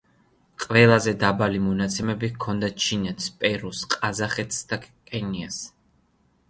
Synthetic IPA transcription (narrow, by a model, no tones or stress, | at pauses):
qʼvɛlˠazɛd̪abalimɔnat̪sʰɛmɛbikʰɔnd̪at͡ʃʰinɛt̪ʰspʼɛɾusqʼazaχɛt̪sd̪̥akkʰʼɛnias